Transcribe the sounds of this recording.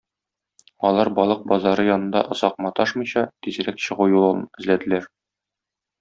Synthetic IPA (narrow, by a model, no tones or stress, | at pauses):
ɒlˠɑɾbɒlˠɤq̚bɒzɑɾɤjɒnɤ̆nd̪ɑʔŏzɑq̚mɑt̪ɒʃmɤ̆jɕɑt̪izɘ̆ɾækɕɤ̆ʁujulˠɤlˠɤnɘ̆zlæd̪ɘ̆læɾ